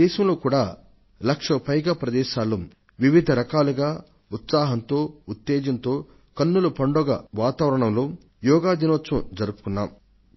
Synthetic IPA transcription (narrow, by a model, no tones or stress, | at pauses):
ɛːʃɐmlo̞ːkuːɽaː | lɐkʂɐpɐjɡaːpɾɐd̪ɛːʃaːlːum | ʋiʋid̪ʱɐɾɐkaːluɡaː | ut̪saːɦɐnt̪o̞ːut̪ːeːd͡ʒɐnt̪o̞ː | kɐnːulɐpɐɳɖɔɡɐ̰ʋaːt̪aːʋɐɾɐɳɐmloː | jɔːɡaːd̪inʋɐtsɐmd͡ʒɐɾupu̥kunːaːm